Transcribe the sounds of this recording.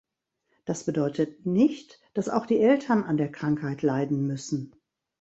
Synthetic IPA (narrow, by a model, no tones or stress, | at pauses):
d̥asb̥ədɔʏtʰət̚nɪçt | d̥asa̰ʊxd̥iːʔɛltʰɐnandeːɐkʁ̥aŋkhaɪtʰlaɪdn̩mʏsn̩